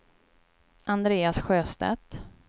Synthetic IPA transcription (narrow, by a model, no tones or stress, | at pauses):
ʔand̪ɾeːasɧøːst̪ɛ̰t̪